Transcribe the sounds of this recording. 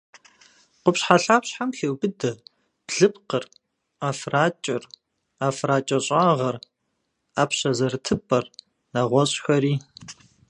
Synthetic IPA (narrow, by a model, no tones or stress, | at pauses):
qʷʊpɕħaɬaːpɕħamxeːwbɨdɐ | b̥ɮɨpqər | aːfraːt͡ʃʼɪr | afraːt͡ʃʼɐɕʼaːʁɐr | aːpɕɐzɐrtʰɨpʼɐr | nɐʁʷɔɕʼxɐɾiː